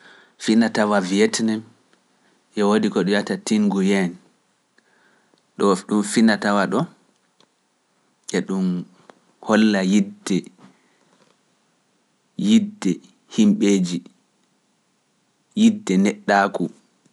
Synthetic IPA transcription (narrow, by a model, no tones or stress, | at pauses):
finatawavijɛtnɛm | ʔɛwodikɔɗɔjatatiŋɡujɛn | ɗɔɗumfinatawaɗɔ | ʔɛɗum | hɔlːajidɛ | jidɛ | himɓeːd͡ʒi | jidːɛnɛɗːaku